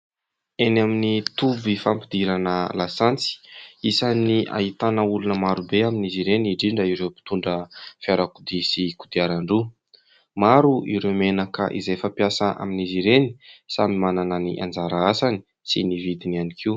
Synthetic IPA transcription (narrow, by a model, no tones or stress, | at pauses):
enaminit̪ubifampid̪iɾanəlasant͡si̥isaniʔa̰ɦit̪anəulunəmaɾubeaminiziɾeniɖ͡ʐiɳɖ͡ʐəiɾewpi̥t̪uɳɖ͡ʐəfiaɾakud̪isikud̪iaɾaɳɖ͡ʐu | maɾuʔḭɾemenakə̰ʔḭzejfapjasəʔa̰miniziɾeni̥samimanananḭʔa̰nd͡zaɾaasani̥ | sinivid̪inianikʰiu